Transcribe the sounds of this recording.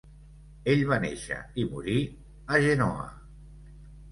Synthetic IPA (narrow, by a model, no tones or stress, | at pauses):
eʎβanḛʃə̰imṵɾi | əʒenɔ̰ə̰